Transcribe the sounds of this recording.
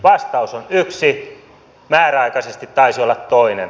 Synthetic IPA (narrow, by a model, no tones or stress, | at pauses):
ʋɑst̪ɑusonyksi | mæːræɑikɑsest̪it̪tɑisiolːɑt̪t̪oinen